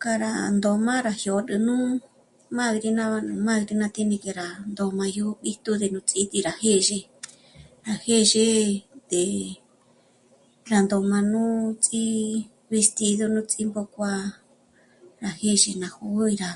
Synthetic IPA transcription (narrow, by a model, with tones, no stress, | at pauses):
ka˧ɾa̰˨nd̪o˧mã˦ɾa˨hjo˨˧ɨ˧nũ˦ | mã˦˧ɣɾi˧nã˦a˧nɨ˧mã˦˧ɣɾi˧nã˧t̪i˦nĩ˧ke˧ɾa˨nd̪o˧mã˧ju˧˦˧ɓi˦t̪u˦d̪e˨nũ˧t͡si˦t̪i˧ɾa˨he˦˨ʒe˧ | ɾa˨he˦ʒe˧˦d̪e˨ | ɾa˨nd̪o˧mã˧nũ˦t͡sʼi˦ | βe˧st̪i˧ðo˧nũ˦t͡sʼi˦mbo˧kʷa˧ | ɾa˨he˦ʒe˧nã˧hu˧˦i˧ɾa˧